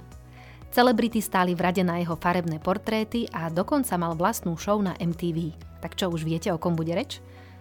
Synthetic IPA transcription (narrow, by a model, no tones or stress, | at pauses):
t͡sɛlɛbɾit̪ist̪aːlivɾaɟɛnajɛɦɔfaɾɛbnɛːpɔɾt̪ɾɛːt̪iʔad̪ɔkɔnt͡samalʋlast̪nuːʃɔʊnaʔɛmt̪iːʋiː | t̪akt͡ʃɔuʒʋɪɛcɛɔkɔmbuɟɛɾɛt͡ʃ